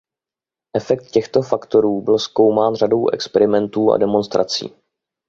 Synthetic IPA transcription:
ʔɛfɛk̚t̪̚cɛxt̪o̞fakt̪o̞ɾuːbɪlsko̞wmaːnrado̞wʔɛ̰kspɛɾɪmɛnt̪uːa̰dɛmo̞nst̪ɾʔa̰t͡sḭː

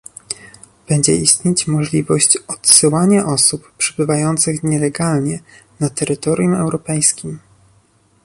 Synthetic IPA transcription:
b̥ɛɲd͡ʑɛ̰ist̪ɲet͡ɕmɔʐlʲivɔɕt͡ɕɔt̪sɘwaɲaʔɔsupːʂɛbɘvajɔnt̪sɘxɲɛlɛɡalɲɛnat̪ɛɾɘt̪ɔɾʲjũmɛwɾɔpɛjskʲim

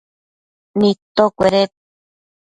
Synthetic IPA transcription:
nit̪okʷeɾet̪̚

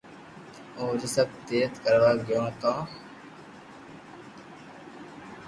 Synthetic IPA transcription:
oːɾisəb̚t̪eːt̪kəɾʋaːɡjõːt̪ãː

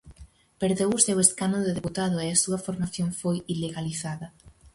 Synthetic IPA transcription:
peɾðewuseweskanʊðeðeput̪aðʊeasuɐfoɾmaθjoŋfojileɣaliθaðɐ

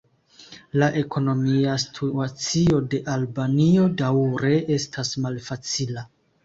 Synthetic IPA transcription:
laʔe̞kʰo̞no̞miastʰuat͡siode̞ʔalbanio̞dawɾe̞ʔe̞stʰasmalfat͡sila

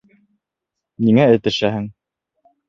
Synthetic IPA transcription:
niŋæɘ̆t̪ɘ̆ʃæɦɘŋ

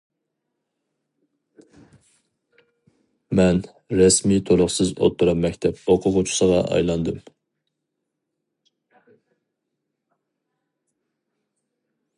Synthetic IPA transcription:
mɛn | ɾɛsmit̪ʰolˠʊχsɨzo̰t̪ʰːuɾɑpmːɛkʲt̪ʰɛpoqʰʊʁʊt͡ʃʰi̥səʁɑʔɑ̰jlˠɑnd̪ɨm

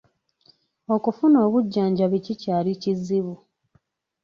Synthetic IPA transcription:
o̞kufuno̞ːβuɟːaːɲɟaβicicaːlicizːiβu

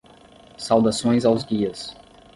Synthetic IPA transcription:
sawd̪asõj̃zawzɡiɐs

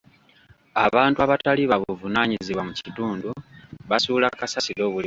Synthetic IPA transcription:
a̰βaːntuaβataliβaβuvunaːɲiziβwamucituːnduβasuːlakasasilo̞ːβuli

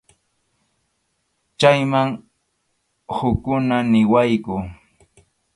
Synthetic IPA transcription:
t͡ʃajmaŋ | hʊkʊnanɪwajkʊ

